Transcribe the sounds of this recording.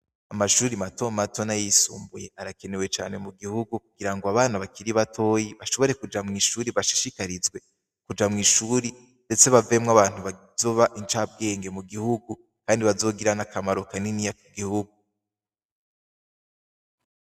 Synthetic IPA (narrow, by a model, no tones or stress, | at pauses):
amaʃuːɾimato̞mato̞najisṵːmbuje̞ʔaɾake̞newe̞t͡ʃa̰ːne̞muɡihuɡukuɡiɾaŋɡoaβaːnaβakiɾiβatʰo̞ːjiβaʃo̞βo̞ɾe̞kud͡ʒamŋiːʃuːɾiβaʃi̥ʃikaɾizɡwe̞ | kud͡ʒamŋiːʃuːɾi | nde̞t͡se̞βave̞mŋaβaːn̥uβa | zo̞βaʔint͡ʃab̚ɡe̞ːŋɡe̞muɡihuɡu | kaːndiβazo̞ːɡiɾanakʰamaɾo̞kaninijakiɡihuɡu